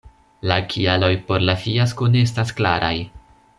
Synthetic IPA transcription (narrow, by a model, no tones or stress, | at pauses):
lakʰialo̞jpo̞ɾlafijaskonees̬tasklaɾa̰j